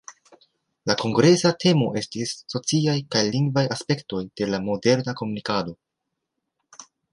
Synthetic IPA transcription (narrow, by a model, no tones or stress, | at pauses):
lako̞ŋɡɾe̞satʰe̞mo̞ʔe̞stisːo̞t͡siajkajliŋɡvajaspe̞kto̞jd̥e̞lamo̞de̞ɾnako̞munikado̞